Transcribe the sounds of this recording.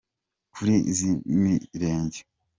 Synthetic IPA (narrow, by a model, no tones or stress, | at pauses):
kʰuɾiḭzimiɾeːɲɟe